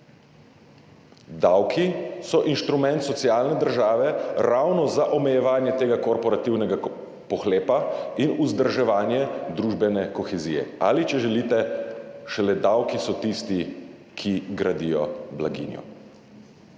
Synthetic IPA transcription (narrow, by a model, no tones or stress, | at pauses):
d̪awkʰisɔʔinʃt̪ɾumɛ̃nt̪sɔt̪siaːlnɛd̪əɾʒaːʋɛɾawnɔzaʔɔmɛjɛʋaːnjɛt̪eːɡakɔɾpɔɾat̪iwnɛɡa | pɔxleːpainuzd̪əɾʒɛʋaːnjɛd̪ɾuːʒbɛnɛkɔxɛziːjɛ̰a̰lit͡ʃɛʒɛlit̪ɛʃɛlɛd̪awkisɔt̪ist̪i | kʰiɡɾad̪ijɔ̰blaɡḭːnjɔ̰